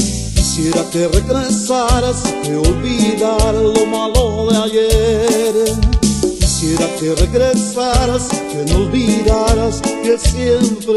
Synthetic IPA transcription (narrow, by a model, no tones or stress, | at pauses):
kisjeɾakereɣɾesaɾaskeolβiðaɾlomaloðeajeɾ | kisjeɾakereɣɾesaɾaskenolβiðaɾaskesjempɾ